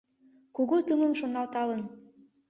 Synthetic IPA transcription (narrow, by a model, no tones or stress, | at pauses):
kuɣut̪umə̆mʃonːɑlt̪ɑlən